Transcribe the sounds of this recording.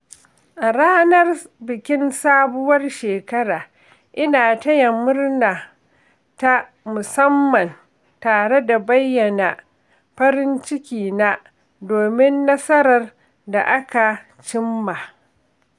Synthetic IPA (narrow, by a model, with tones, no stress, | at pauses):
ʔa˨ɽaː˦nɐ˦rbɪ˨kʲɪ˦nsaː˦bʊ˦wɐ˦rʃeː˨kɐ˦ɽaː˨ | ʔɪ˦naː˨tɐ˦jɐ˨mʊ˦rnaː˨ | ta˦ | mʊ˨sɐ˦mːɐ˨n | taː˨ɽe˦da˨bɐ˦jːɐ˨na˨ | ɸɐ˦ɾɪ˦nt͡ʃɪ˦kʲiː˨na˦ | doː˨mɪ˦nːɐ˦sɐ˦ɾɐ˨r | da̰˨ʔa˦ka˨ | t͡ʃɪ˦mːa˨